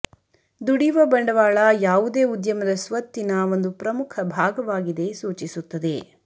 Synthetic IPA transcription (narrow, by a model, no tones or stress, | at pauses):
d̪uɽiʋɐbɐɳɖɐʋaːɭɐjaːʋud̪eːud̪jɐmɐd̪ɐsʋɐt̪ːinɐo̞nd̪upɾɐmukʰɐbʱaːɡɐʋaːɡid̪e̞suːt͡ʃisut̪ːɐd̪e̞